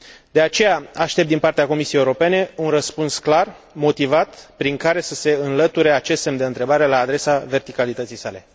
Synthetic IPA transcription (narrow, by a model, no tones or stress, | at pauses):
d̪e̞at͡ʃe̞jaaʃt̪ep̚d̪inpart̪eako̞misieje̞uɾo̞pe̞ne̞unrəspunsklar | mo̞t̪ivat̪pɾiŋkaɾe̞səse̞ɨnlət̪uɾe̞at͡ʃe̞st̪semd̪e̞ɨnt̪ɾe̞baɾe̞laːd̪ɾe̞save̞rt̪ikalit̪ət̪sijsale̞̰